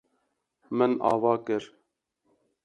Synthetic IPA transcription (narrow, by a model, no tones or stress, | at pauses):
mɨnɑ̰ːvɑːkɨɾ